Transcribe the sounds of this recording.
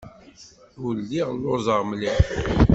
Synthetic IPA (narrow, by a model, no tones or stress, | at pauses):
ʊlːiʁlːozˤəʁmli